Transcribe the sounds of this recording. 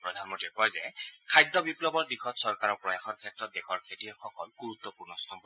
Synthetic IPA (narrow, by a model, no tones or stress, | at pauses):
pɹɔd̪ʱanmɔntɹikɔjzɛkʰajdːɔbipɹɔbɔɹdixʰɔtsɔɹkaɹɔɹpɹɔjaxɔtkʰɛtɹɔt̚dexɔɹkʰetiɔxɔkɔlɡuɹut̪ːɔpuɹnɔstʰɔmbɔ